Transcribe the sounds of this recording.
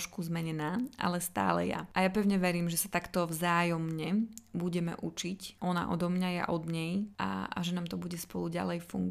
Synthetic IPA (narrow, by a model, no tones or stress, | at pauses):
ʃkuzmɛɲɛnaːʔa̰lɛst̪a̰ːlɛ̰ja̰ʔajapɛʊɲɛʋɛɾiːmʒɛsat̪akt̪ɔvzaːjɔmɲɛbuɟɛmɛ̰ʔut͡ʃicʔɔna̰ʔɔd̪ɔmɲajɛ̰ʔɔd̪ɲɛjʔa̰a̰ʒɛnaːmt̪ɔbuɟɛspɔluɟa̰lɛjfṵŋɡ